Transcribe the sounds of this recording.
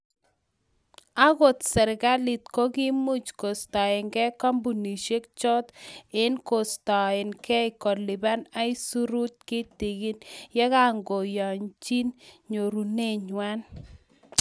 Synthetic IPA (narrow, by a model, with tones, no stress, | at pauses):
a˦ɡo˨t̪sɛ˨ɾɡa˦li˨t̪ko˦ɡɪ˦mu˦t͡ʃko˨stɔ˨ɪ˨ŋkɛ˦ka˦mbu˨ni˨ʃe˦k̚t͡ʃɔ˦t̪ɪ˦nko˨stɔ˨ɪ˨nkɛ˦ɪ˨kɔ˨li˨ba˦na˦i˦su˦ɾu˦t̪̚kɪ˦ti˨ɡi˦njɛ˦ka˦ŋɡo˨jɔ˨ɲt͡ʃi˦nɲo˨ɾu˨ne˦ɲwa˦n